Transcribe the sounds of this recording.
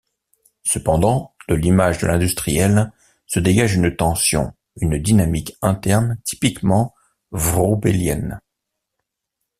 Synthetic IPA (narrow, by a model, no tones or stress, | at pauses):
səpɑ̃d̪ɑ̃d̪̥əlimaʒd̪ə̰lɛ̃d̪yst̪χijɛl | səd̪eɡaʒynt̪ɑ̃sjɔ̰̃ | ynd̪inamikɛ̃t̪ɛʁnt̪i̥pikmɑ̃ | vʁobeljɛ̰n